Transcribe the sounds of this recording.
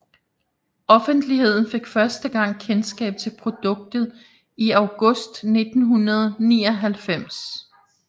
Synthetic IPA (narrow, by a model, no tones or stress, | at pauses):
ʔɒ̽fənd̥lihe̝ð̞̰ˠn̩fe̝ɡ̥fɶɐsd̥əɡ̥ɑ̈ŋ̰kʰensɡ̥ɛ̰ːb̥̚t͡sʰe̝lpʰʁo̝d̥ɔ̽ɡ̥̚d̥ð̩ˠ | iɑ̈ʊɡ̥ɔ̽sd̥ne̝d̥n̩ɦunɐð̞ˠniːɒ̽ɦælfem̰s